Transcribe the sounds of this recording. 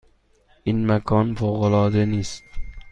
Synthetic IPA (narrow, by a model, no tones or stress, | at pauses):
ɪnmakʰɒnfowʁɑlˠɒːd̪anist̪